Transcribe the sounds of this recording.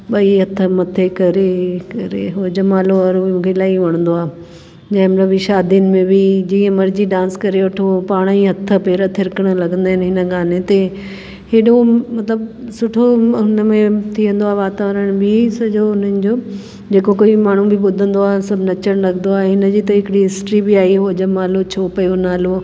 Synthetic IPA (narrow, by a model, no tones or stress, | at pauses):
ɓɐiɦɐt̪ʰːəmɐt̪ʰekɐɾekɐɾḛɦod͡ʑɐmaːloɐɾomũːkʰelaːiʋɐɽ̃nd̪oaː | d͡ʑɐ̃ːɪ̃mɐt̪ləbiʃaːd̪ijənɪ̆mẽbʱid͡ʑiːə̃mɐɾd͡ʑiɖãːnskɐɾeʋɐʈʰopaːɽ̃iɦɐt̪ʰːəpeːɾət̪ʰɪɾkəɽ̃ə̆lɐɡə̃nd̪aːɦɪnɦɪnəɡaːnet̪e | ɦeːɗomɐt̪ləb̚sʊʈʰoɦʊnəmẽt̪ʰiə̃nd̪oaːɦʋaːt̪aːʋəɾəɽ̃bisɐd͡ʑoʊn̤ənɪ̆d͡ʑoː | d͡ʑeːkokoːimaːɳ̤ũbʱɪbʊd̪ʱə̃nd̪oaːɦsɐbʱnɐt͡ɕəɽ̃lɐɡə̃nd̪oaːeɦɪnəd͡ʑiːt̪ɐɦɪkɪɽiɦɪsʈɾibɪaːiɦod͡ʑəmaːlot͡ɕʰoːpɐjonaːlo